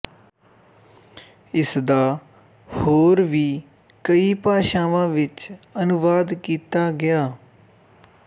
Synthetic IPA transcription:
ɪsd̪aː | hoːɾʋiː | kəiːpaːʃaːʋãːʋɪt͡ʃənʊʋaːd̪kiːt̪aːɡɪjaː

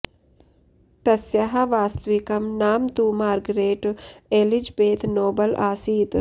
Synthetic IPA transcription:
t̪ɐsjɐɦɐʋaːst̪ʋikɐmnaːmt̪uːmaːɾɡɾeːʈelid͡ʒbeːt̪noːbɐlʔaːsiːt̪

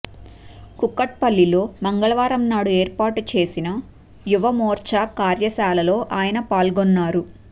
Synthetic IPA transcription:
kukːɐʈ̚pɐlːilo̞ːmɐŋɡɐɭɐʋaːɾɐmnaːɽueːɾpaːʈut͡ʃe̞ːsinɐ | juʋɐmɔːɾt͡ʃakaːɾjɐsaːlɐlo̞ːʔaːjɐnɐpaːlɡɔnːaːɾu

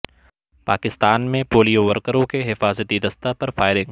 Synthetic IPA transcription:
paːkɪst̪aːnmẽpoːlijoʋɐɾkəɾõkeɦɪfaːzət̪id̪ɐst̪apɐɾfaːɪɾɪ̃ŋɡ

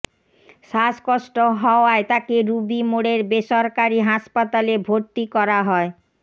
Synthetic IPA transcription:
ʃaskoʃʈoɦɔoaet̪akeɾubimoɽeɾbeʃɔɾkaɾiɦaʃpat̪alebʱoɾt̪ikɔɾaɦɔe

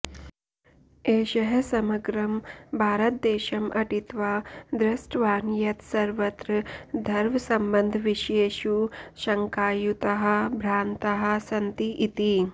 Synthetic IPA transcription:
eːʃɐɦɐsɐmɐɡɾɐmbʱaːɾɐt̪̚d̪eːʃɐmʔɐʈit̪ʋaːd̪ɾɐsʈʋaːnjɐt̪sɐɾʋɐt̪ɾɐd̪ʱɐɾʋɐsɐmbɐnd̪ʱʋiʃeːʃuʃɐŋkaːjut̪ɐɦɐ̆bʱɾaːnt̪ɐɦɐ̆sɐnt̪iʔit̪i

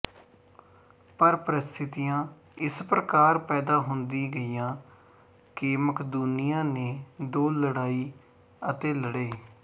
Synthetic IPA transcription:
pəɾpɾɪst̪ʰɪt̪ijãː | ɪspɾəkaːɾpɛːd̪aːɦʊnd̪iːɡəiːjãː | kɪməkʰd̪unɪjãːneːd̪oːləɽaːiː | ət̪eːləɽeː

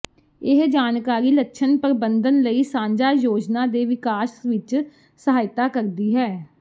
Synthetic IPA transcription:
ɪɦd͡ʒaːnkaːɾiːləkʃʰənpəɾəbənd̪ənləiːsãːɲd͡ʒaːjoːd͡ʒnaːd̪eːʋɪkaːʃʋɪt͡ʃ | səɦaːɪt̪aːkəɾd̪iːɦɛː

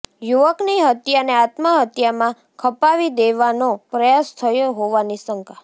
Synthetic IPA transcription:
juʋəkniɦət̪janeat̪məɦət̪jamã | kʰəpaʋid̪eʋanopɾəjast̪ʰəjoɦoʋanisəŋkʰa

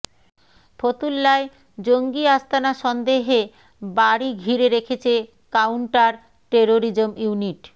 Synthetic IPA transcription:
pʰot̪ulːae | d͡ʑoŋɡiast̪ʰanaʃɔnd̪eɦe | baɽiɡʱiɾeɾekʰet͡ɕʰe | kawɳʈaɾ | ʈeɾoɾid͡ʑomjuniʈ

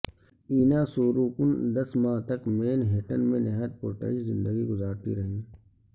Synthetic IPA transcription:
iːnãːsoːɾuːkʊnd̪ɐsmaːt̪ɐkmeːnɦeːʈənmẽnɐɦət̪̚poːʈə̰ɪʃzɪ̃nd̪əɡiɡʊzaːɾt̪ḭɾɐɦĩː

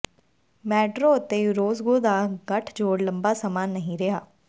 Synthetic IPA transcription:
mɛːʈɾoːət̪eːɾoːzɡoːd̪aːɡəʈʰd͡ʒoːɽləmbaːsaːmaːnːəɦĩɾɪɦaː

